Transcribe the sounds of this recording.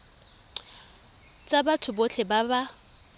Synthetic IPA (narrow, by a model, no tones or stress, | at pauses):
t͡sʼabatʰʊbot͡ɬʰebaba